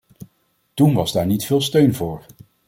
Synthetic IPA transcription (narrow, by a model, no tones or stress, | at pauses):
tunʋɑzdaːɹnitfɪːlˠstøɥnvʊːɹ